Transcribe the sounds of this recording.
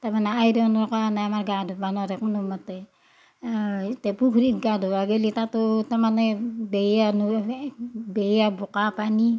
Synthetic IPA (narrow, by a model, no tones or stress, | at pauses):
tamanaːjɾeonoɾokanamarɡadobanoɾekmanumate | tepukɾiɡadoaɡelitatotamanebejanu | bejabukapani